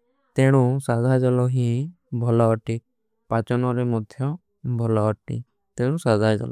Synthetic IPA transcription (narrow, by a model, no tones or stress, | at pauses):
t̪eɽ̃ũsazʱajd͡ʒɔlɔɦĩ | bʱɔlɔʈi | pat͡ʃɔnɔɾemɔd̪ʱjɔ | bʱɔlɔːʈḭ | t̪eɽ̃ũsazʱad͡ʒɔ̰lɔ